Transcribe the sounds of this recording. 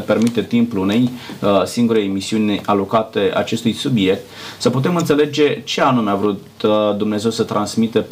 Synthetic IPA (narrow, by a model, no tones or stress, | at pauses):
pe̞rmit̪e̞t̪impulune̞jsiŋɡuɾe̞jmisiunʲalo̞kat̪e̞ʔa̰t͡ʃe̞st̪ujsubje̞k̚t̪səput̪e̞mɨnt̪se̞le̞d͡ʒe̞t͡ʃe̞anumeavɾut̪d̪umneze̞wsət̪ɾansmit̪e̞